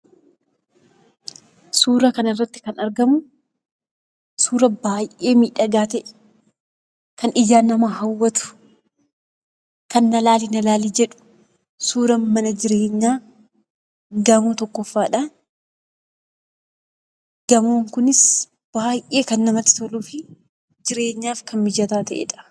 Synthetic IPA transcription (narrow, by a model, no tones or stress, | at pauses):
suːɾɐkɐnɪrːɐt̪ːɪ̥kɐnɐɾɡɐmʊ | suːɾɐbaːjʔe̞ːmiːᶑɐɡaːt̪ɛʔɛ̥ | kɐnɪd͡ʒaːnɐmɐhɐwːɐt̪ʊ̥ | kɐnːɐlaːlinɐlaːlid͡ʒɛᶑʊ̥ | suːɾɐmɐnɐd͡ʒɪɾe̞ːɲːaː | ɡɐmoːt̪ɔkːɔfːaːᶑan | ɡ̥ɐmoːŋkʊnɪs | b̥aːjʔeːkɐnːɐmɐt̪ːɪ̥t̪ɔluːfɪ | d͡ʒɪɾe̞ːɲːaːfkɐnmɪd͡ʒɐt̪aːt̪ɐʔḛːᶑɐ̥